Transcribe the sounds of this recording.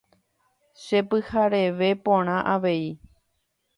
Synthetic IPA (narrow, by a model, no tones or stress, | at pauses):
ʃe̞pɨhaɾeʋe̞põɽ̃ãʔaʋe̞i